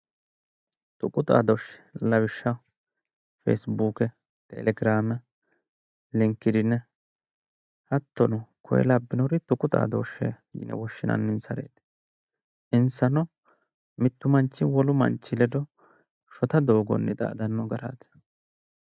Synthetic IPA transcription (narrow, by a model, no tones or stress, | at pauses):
t̪ʼʊkʼʊt̪ʼa̰ːd̪ɔʃɛ̥lɐwɪʃːɐ | fḛsbuːkɛ | t̪ʼɛ̰lɛɡɪɾaːmɛ | lɪŋkːɪd̪ɪnːɛ | hɐt̪ːɔnʊkʰɔ̰jɛ̰lɐbːɪnɔɾɪt̪ʊkʼʊt̪ʼa̰ːd̪ɔʃɛ̰ | jɪ̰nɛ̰wɔʃːɪnʔɐ̰nːɪnsɐɾḛːt̪ | ʔɪnsɐnɔ | mɪt̪ːʊmɐnt͡ʃːɪwɔlʊmɐ̰nt͡ʃːɪlɛd̪ɔ | ʃɔt̪ɐd̪o̞ːɡɔ̰nːɛt̪ʼa̰ːd̪ɐnːɔɡɐɾa̰ːt̪